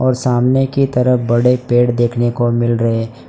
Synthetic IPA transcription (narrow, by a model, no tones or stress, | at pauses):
ɔːɾsaːmnekit̪ɐɾəfbɐɽepeːɽd̪eːkʰnekomɪlɾɐɦe